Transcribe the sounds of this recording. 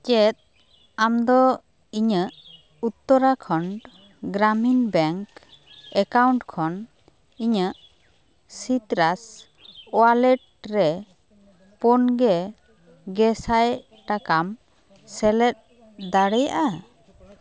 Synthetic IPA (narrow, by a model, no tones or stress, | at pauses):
t͡ʃɛt̪̚ | amd̪ɔ | iɲəʔ | ut̪ːɔɾakʰɔɳ | ɡɾaminbɛŋk | ɛkawɳʈkʰɔn | iɲəʔ | sit̪ɾas | ɔalɛʈ̚ | ɾɛ | pɔnɡɛ | ɡɛsaj | ʈakam | sɛlɛt̪̚ | d̪aɽɛja̰ʔa